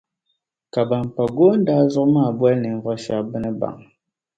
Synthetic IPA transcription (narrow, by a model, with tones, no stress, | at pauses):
ka˨ba˨m˨pa˨ɡo˦n̩˦da˦zɔ˦kma˦˨bwɛ˦lnɨ˨ɱ̩˨vɔ˦ʃa˦bə˦nɨ˦ba̰˨ŋ